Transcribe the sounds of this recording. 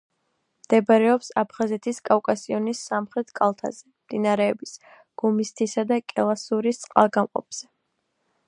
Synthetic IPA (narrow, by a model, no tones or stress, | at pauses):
md̪̥ɛbaɾɛɔpsapʰχazɛt̪ʰiskʼafkʼasiɔnisːamχɾɛt̪ʰkʼalˠt̪ʰa̰zɛmd̪̥inaɾɛːbis | ɡ̥umist̪ʰisad̪akʼɛlˠasuɾist̪sʼqʼa̰lˠɡamqʼɔ̰p̚ʰz̥ɛ